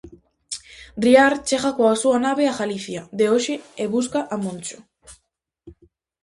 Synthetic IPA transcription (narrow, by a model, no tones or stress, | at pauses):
d̪ɾiaɾt͡ʃeɣakoasuanaβeaɣaliθjad̪eoʃeeβuskaʔamõnt͡ʃo̥